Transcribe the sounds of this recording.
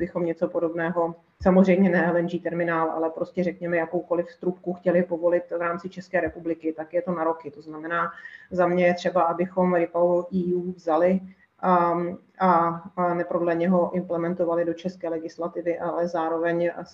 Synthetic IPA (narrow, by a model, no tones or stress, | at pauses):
bɪxo̞mɲɛt͡so̞po̞do̞bnɛːɦo̞ | samozr̝ɛjmɲɛnɛlɛnʒiːt̪ɛɾmɪnaːlʔa̰lɛpɾo̞scɛrɛkɲɛmɛjako̞wko̞lɪfst̪ɾupkuxcɛlɪpo̞vo̞lɪt̪vɾaːmt͡sɪt͡ʃɛskɛːɾɛpublɪkɪt̪akjɛt̪onaɾo̞kɪt̪o̞znamɛnaːzamɲɛjɛt̪r̝̥ɛbaʔabɪxo̞mɾɪpaoʔiːjuːvzalɪ | ʔa | ʔanɛpodlɛɲɛɦo̞ʔɪmplɛmɛnt̪o̞valɪdot͡ʃɛskɛːlɛɡɪslat̪ɪvɪʔalɛzaːɾo̞vɛɲ